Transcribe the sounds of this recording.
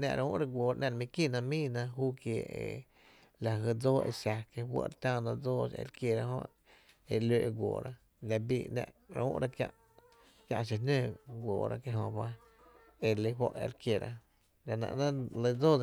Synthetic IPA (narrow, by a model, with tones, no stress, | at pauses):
nã̰˧ʔɾũː˦ʔɾa˧ɡʷoː˨ɾʔnã˧˨ɾmĩ˧ki˦˨nã˧mĩː˦˨nã˧ɦuː˦kje˧˨ḛ˨ | la˨ɦə˧˨d͡zoː˦ʔḛ˧sa˧ke˧ɦwʷə̰˦ʔɾt̪ãː˦nã˧d͡zoː˦sḛ˧ɾkje˧ɾa˧ɦõ̰˦˧ | e˧leː˧ʔe˧ɡʷo̰ː˨ɾa˦ | la˧biː˧˨nɛ̰̃˧ʔɾa˧ṵ̃˦ʔɾa˧kjã̰˧ʔ | kʲjã̰˧ʔʃ̬i˧nẽː˦˨ɡʷoː˨ɾa̰˦ke˧ɦõ˧ba˧ | e˧lə˧wʷo˦˧ʔḛ˧ɾkje˨ɾa̰˧ | la˨nã̰˧ʔnã˦lə˧d͡zoː˦˧